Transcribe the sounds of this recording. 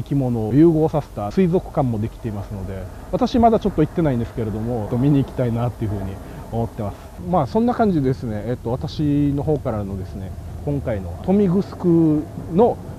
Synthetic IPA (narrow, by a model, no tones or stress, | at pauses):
ikʲimo̞no̞ːjɯ̟ːɡo̞ːsase̥t̪asɨizo̞kɯ̟̥kãmːo̞d̪e̞kʲi̥t̪e̞imasɨno̞d̪e̞ | βat̪aɕimad̪at͡ɕo̞t̪ːo̞it̪ːe̞naĩnd̪esɨ̥ke̞ɾe̞d̪o̞mo̞t̪ːomʲiɲ̟iːkʲi̥t̪ainat̪ːe̞jɯ̟ɸɯ̟ːɲ̟i | o̞mo̞t̪ːe̞masɨ̥maːsõ̞nːakãɲ̟d͡ʑid̪d̪esɨne̞ːt̪ːo̞βat̪aɕino̞ɦo̞ːkaɾano̞d̪e̞sɨne̞kõ̞ŋkaino̞̰t̪o̞mʲiɡɯ̟sɨ̥kɯ̟no̞